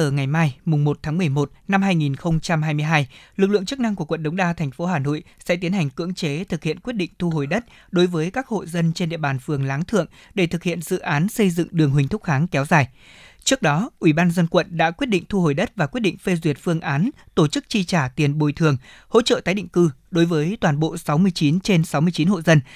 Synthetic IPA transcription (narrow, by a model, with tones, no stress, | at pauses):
əː˧˩ŋa˨˩jmaː˧jmʊ˨˩ŋ͡mmo˨˩t̚t̪ʰaː˨˦ŋmɨ˨˩əjmo˨˩t̚na˧mɦaː˧jŋi˨˩nxə˧wŋ͡mt͡ɕa˧mɦaː˧jmɨ˧əjɦaː˧jlɨ˨˩k̚lɨ̰˧˨əŋt͡ɕɨ˦˥k̚na˧ŋku˧˩əkwə̰˧˨nɗə˨˦wŋ͡mɗaː˧t̪ʰɛ˨˩jŋ̟fo˨˦ɦaː˨˩no̰˧˨jsɛ̰˧˥t̪i˨˦ənha˨˩jŋ̟kɨ̰˧˥əŋt͡ɕe˨˦t̪ʰɨ˨˩k̚hḭ˧˨ənkwəɗḭ˧˨ŋ̟t̪ʰu˧ho˨˩jɗə˦˥t̚ | ɗo˨˦jvəː˨˦jkaː˦˥k̚ho̰˧˨jzə˧nt͡ɕe˧nɗḭ˧˨əɓaː˨˩nfɨ˨˩əŋlaː˨˦ŋt̪ʰɨ̰˧˨əŋ | ɗe˧˩t̪ʰɨ˨˩k̚hḭ˧˨ənzɨ̰˧˨ʔaː˨˦nsə˧jzɨ̰˧˨ŋɗɨ˨˩əŋɦwi˨˩ŋ̟t̪ʊ˦˥k͡p̚haː˨˦ŋkɛ˨˦wzaː˨˩j | t͡ɕɨ˦˥ək̚ɗɔ˨˦ʔwi˧˩ɓaː˧nzə˧nkwə̰˧˨nɗa̰ː˧˥kwi˦˥ət̚ɗḭ˧˨ŋ̟t̪ʰu˧ho˨˩jɗə˦˥t̚vaː˨˩kwi˦˥ət̚ɗḭ˧˨ŋ̟fe˧zwi˨˩ət̚fɨ˧əŋʔaː˨˦nt̪o˧˩t͡ɕɨ˦˥k̚t͡ɕi˧t͡ɕaː˧˩t̪i˨˩ənɓo˨˩jt̪ʰɨ˨˩əŋho̰˧˥t͡ɕə̰ː˧˨t̪aː˨˦jɗḭ˧˨ŋ̟kɨ˧ɗo˨˦jvəː˨˦jt̪waː˨˩nɓo̰˧˨sa˨˦wmɨ˧əjt͡ɕi˨˦nt͡ɕe˧nsa˨˦wmɨ˧əjt͡ɕi˨˦nho̰˧˨zə˧n